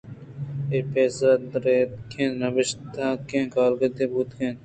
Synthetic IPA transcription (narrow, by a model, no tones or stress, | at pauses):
epeːsɾɐd̪ɾeːt̪̚kʰẽːnnɐʋɪʃt̪aːkẽːkaːlɡɐt̪ebuːt̪kʰẽːn